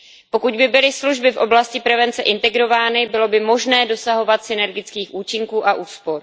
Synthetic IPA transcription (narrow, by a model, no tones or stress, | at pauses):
po̞kuɟbɪbɪlɪsluʒbɪfʔo̞blascɪpɾɛvɛnt͡sɛʔɪnt̪ɛɡɾo̞vaːnɪbɪlo̞bɪmo̞ʒnɛːdo̞saɦo̞vat̪sɪnɛɾɡɪt͡skiːxʔuːt͡ʃɪŋkuːʔaʔuːspo̞ɾ